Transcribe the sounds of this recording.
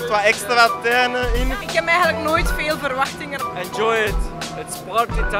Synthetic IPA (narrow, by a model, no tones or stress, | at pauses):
tʋaɛkstɾatɛnəɪnɪkɛpɛjɣəntləknoːjtfeːlˠvərʋɑxtɪŋənɛnd͡ʒɔjɪtətspɔɹt̚deta